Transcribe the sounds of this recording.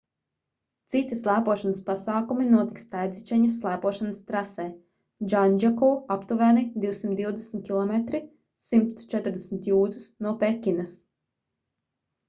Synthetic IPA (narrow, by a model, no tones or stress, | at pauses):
t̪sit̪islˠæːpuɔʃanəspasaːkuminuɔt̪ikst̪ajd̪zit͡ʃɛɲɐsːlˠæːpuɔʃanast̪ɾasɛː | d͡ʒanʲd͡ʒakuːapt̪uvæːnid̪iwsimt̪d̪iwd̪esmʲt̪̚kʲilˠɔmet̪ɾi | simt̪t͡ʃɛt̪ɾd̪esʲmʲt̪juːd̪zusnuɔpɛkʲinɐs